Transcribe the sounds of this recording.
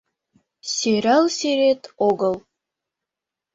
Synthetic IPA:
sʲeɾælˠsʲeɾet̪oɡɤ̆lˠ

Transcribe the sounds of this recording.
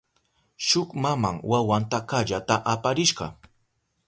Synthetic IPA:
ʃʊkmamaŋwawant̪akaʎat̪aʔapaɾɪʃɢɑ̰

